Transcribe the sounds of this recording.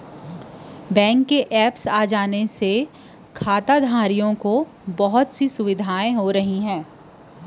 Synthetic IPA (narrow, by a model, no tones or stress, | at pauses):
bɛ̃ːŋkːeʔɛːpsaːd͡ʒaːnese | kʰaːt̪ad̪ʱaːɾijõko | bɐɦʊt̪sisʊʋɪd̪ʱaːẽɦoɾɐɦiɦɛ̃ː